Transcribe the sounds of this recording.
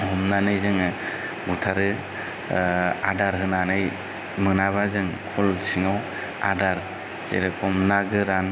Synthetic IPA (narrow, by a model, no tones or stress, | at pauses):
hɔmnanɯjzɯŋɯ | ɡutʰaɾɯ | adaɾɦɯnanɯj | mɯnaβazɯŋkʰɔlsiŋaw | a̰daɾ | zḛɾɯkʰɔmnaɡɯɾan